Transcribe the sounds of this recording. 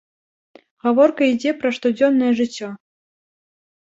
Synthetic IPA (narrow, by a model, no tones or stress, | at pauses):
ɣavɔrkɐid͡zʲɛpɾɐʂt̪ud͡zʲɔnːɐjɛʐɨt͡sʲːɔ